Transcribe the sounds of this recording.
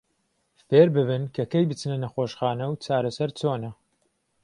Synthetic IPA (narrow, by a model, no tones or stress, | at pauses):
feːɾbɨβɨnkʰɐkɐjbɨt͡snɐnɐxoːʃxaːnɐwt͡ʃaːɾɐsɐɾt͡soːnɐ